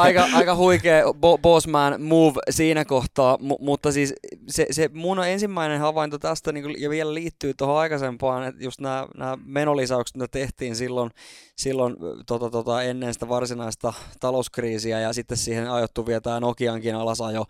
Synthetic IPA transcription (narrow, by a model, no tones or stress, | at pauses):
ɑikɑɑikɑhuikeːboboːsmæːnmuːʋsiːnækoht̪ɑːmumut̪ːɑsiːssesemunoensimːæinenhɑʋɑint̪ot̪æst̪æniːŋkujɑʋielæliːt̪ːyːt̪ohõɑikɑsempɑːnejust̪næːnæːmenolisɑukst̪mit̪æt̪eht̪iːnsilːonsilːont̪ot̪ɑt̪ot̪ɑenːensi̥t̪æʋɑrsinɑist̪ɑt̪ɑlouskriːsiæjɑsit̪ːessiːhenɑjot̪ːuʋiet̪æːnokiɑŋkinɑlɑsɑjo